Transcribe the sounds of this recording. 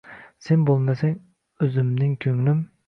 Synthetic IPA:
senbolˠmɛsɛŋ | øzymnɪŋkʲʰøŋlym

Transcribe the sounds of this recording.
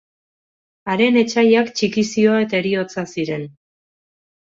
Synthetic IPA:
aɾe̞ne̞t͡ʃajakt͡ʃikisio̞ae̞t̪aeɾio̞t͡sasiɾe̞n

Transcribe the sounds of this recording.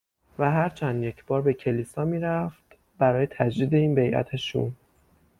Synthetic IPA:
væɦæɾt͡ʃʰænd̪je̞cʰb̥ɒːɾbe̞cʰe̞lisɒːmiːɾæft̪ | bæɾɒːjet̪ʰæd͡ʒd̪iːd̪e̞iːnbe̞jʔæ̰t̪ʰeʃṵn

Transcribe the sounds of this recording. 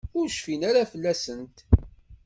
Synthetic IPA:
ʊɾʃfinæɾæfəlːæsənt̪

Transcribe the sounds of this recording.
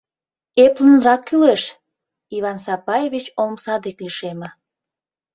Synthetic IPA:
eplənrɑkːyleʃ | iβɑnsɑpɑjeβʲit͡ɕomsɑd̪ekliʃemə̆

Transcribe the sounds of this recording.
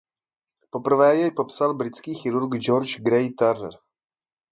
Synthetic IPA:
popr̩vɛːjɛjpopsalbɾɪt̪t͡skiːxiɾuɾɡd͡ʒɔɾt͡ʃɡɾɛjt̪ɛɾɛ̰ɾ

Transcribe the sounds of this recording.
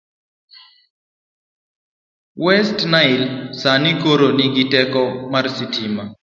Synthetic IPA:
wɛstnaɪlsanikoɾonɪɡɪtɛkɔmarsitima

